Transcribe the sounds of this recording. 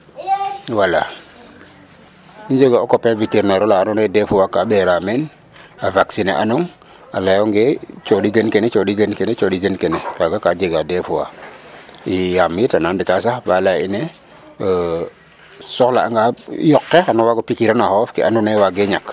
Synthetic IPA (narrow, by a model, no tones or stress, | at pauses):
wala | iɲd͡ʒeɡaokopeviteɾneɾolaanundefuwakaɓeɾamen | avaksinḛʔa̰nuŋ | a̰lajoŋɡet͡ʃoɗidenkenet͡ʃoɗidenkenet͡ʃoɗidenkenekaɡakad͡ʒeɡadefuwa̰ | ijamitananditasahbalaine | sɔkla̰ːŋɡajɔkːeanowaɡopikiɾanahofkḭʔanunewaɡeɲak